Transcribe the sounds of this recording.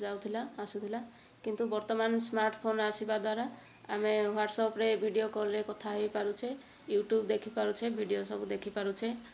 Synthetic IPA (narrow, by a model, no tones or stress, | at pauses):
d͡ʒawt̪ʰilaːsut̪ʰila | kint̪ubɔɾt̪ɔmansmaɾʈpʰonasibad̪waɾa | ameɦaɖsɔpɾebʱiɖiokɔɾlekɔt̪ʰaɦejpaɾut͡ʃʰe | juʈjubd̪ekʰipaɾut͡ʃʰebʱiɖijosɔbud̪ekʰipaɾut͡ʃʰe